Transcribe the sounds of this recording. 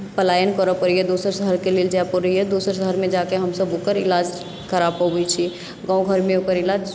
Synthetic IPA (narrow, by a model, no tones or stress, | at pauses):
pəlajənkəɾəpəɾijed̪osəɾsəɦəɾkeleld͡ʒapɔɾɦijed̪osəɾsəɦəɾmẽd͡ʒakeɦəmsəbokəɾilad͡ʒ | kəɾabɔbɛt͡ʃʰi | ɡãũɡʱəɾmẽokəɾilad͡ʒ